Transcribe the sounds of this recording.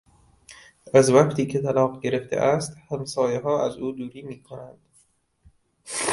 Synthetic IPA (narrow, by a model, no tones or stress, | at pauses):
ʔæzvæqt̪ʰiːcʰet̪ʰælɒːqɟe̞ɾeft̪ʰḛʔæst̪hæmsɒːjeɦɒːʔæzuːd̪uːɾiːmiːkʰonænd̪̥